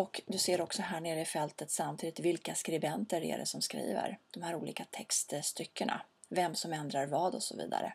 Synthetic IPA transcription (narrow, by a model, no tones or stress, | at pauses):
ɔkd̪ɵseːɾɔksɔɦæːɳeːɾəɪfɛlt̪ət̪samt̪ʰiːd̪ɪt̪vɪlkaskɾɪbɛnt̪əɾæ̰ɖɛ̰sɔmskɾḭːvə̰ɾd̪̥ɔmhæːɾuːlḭːkat̪ʰɛkst̪st̪ʏkːəɳa̰ | vɛmsɔmɛnd̪ɾaɾvɑːd̪ɔsɔ̰vḭːd̪a̰ɾə̰